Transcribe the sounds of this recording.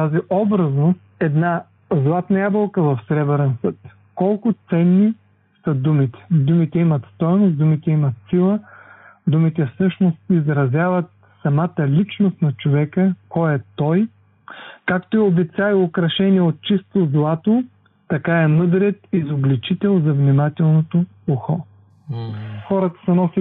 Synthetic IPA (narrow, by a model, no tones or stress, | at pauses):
t̪aziʔɔbɾəznost̪ɛd̪na | zlˠat̪nɐjabəlˠkəvɐfsɾɛbɾɛnsɤt̪ | kɔlˠkʊt̪sɛnːi | sɐd̪umit̪ɛ̥d̪umit̪ɛimɐt̪st̪ɔjnos̬d̪umit̪ɛimɐt̪silˠəd̪umit̪ɛfsɤʃnost̪izɾɐzʲjavət̪ | sɐmat̪əlʲit͡ʃnost̪nɐt͡ʃovɛkəkɔɛt̪ɔj | kakt̪oɛobɛsʲaviokɾɐʃɛniɛot̪̚t͡ʃist̪ozlˠat̪o | t̪ɐkaɛmɤd̪ɾɛt̪izoblit͡ʃit̪ɛlˠzɐvnimat̪ɛlˠnot̪o | uxɔ | xɔɾət̪ə̥sɛnɔsi